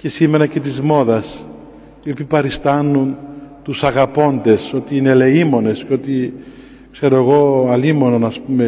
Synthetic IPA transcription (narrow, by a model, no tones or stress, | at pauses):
cesime̞nɐce̞t̪izmo̞ðɐs | iopipɐɾist̪ɐnːunt̪usɐɣɐpo̞nd̪e̞so̞t̪iine̞le̞imo̞ne̞sceo̞t̪i | kse̞ɾo̞eɣo̞ɐlimo̞no̞nɐspume̞